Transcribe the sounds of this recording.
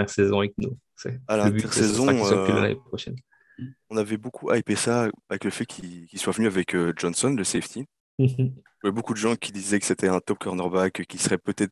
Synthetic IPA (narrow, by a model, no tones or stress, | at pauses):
ɛʁsɛzɔ̃avɛk̚no | sɛ̰alabɛʁsɛzɔ̃la̰la̰nḛpχɔʃɛ̰n | ɔ̃navɛbokʰuʔajpesaavɛkləfɛkʲʰikʲilswavənyavɛkøʒɔnsɔnləseɛft̪ʰi | ʒvɛbokud̪əʒɑ̃kʲʰid̪izɛkə̥set̪ʰɛɛ̃t̪ɔp̚kʰɔʁnœʁbakekʲisəʁɛpət̪ɛt̪χ